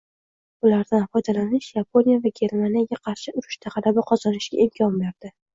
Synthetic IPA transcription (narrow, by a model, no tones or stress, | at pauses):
ʊlaɾd̪anfɒjd̪alanɪʃjapʰo̞nijavaɡʲe̞ɾmanijaɡʲaqʰɑɾʃɪʊɾɪʃt̪ʰaʁɑlabɪqʰɒzɒnɪʃɡʲa̰ʔelkʰʲɒmbe̞ɾd̪̥ɪ